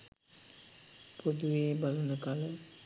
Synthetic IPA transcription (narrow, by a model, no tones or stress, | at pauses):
pod̪uʋeːbalunəkalə